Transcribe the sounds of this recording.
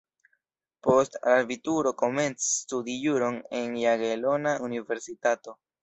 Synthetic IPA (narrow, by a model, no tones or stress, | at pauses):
po̞staɾvituɾo̞ko̞me̞nt͡si̥studijuɾo̞ne̞njaɡelo̞naʔunive̞ɾsitato̞